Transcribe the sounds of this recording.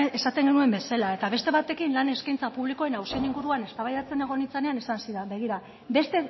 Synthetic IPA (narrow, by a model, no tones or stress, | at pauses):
esat̪e̞ŋɡenue̞mbe̞selae̞t̪aβe̞st̪e̞βat̪e̞kinlane̞skajnt͡sapuβliko̞e̞nawsieniŋɡuɾuane̞st̪aβajðat͡se̞ne̞ɣ̞o̞nit͡saneanisansiðabeɣ̞iɾa | be̞st̪e̞